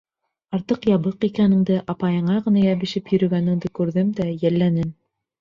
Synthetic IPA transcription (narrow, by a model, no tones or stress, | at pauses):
ɑɾt̪ɤqjɑβɤqikænɘ̆ŋd̪ɘʔɑpɑjɤ̆ɴɑʁɤ̆nɑjæβɘ̆ʃɘpjɵ̆ɾɵ̆ɡænɘ̆ŋd̪ɘkʉɾðɘmd̪æjælːænɘm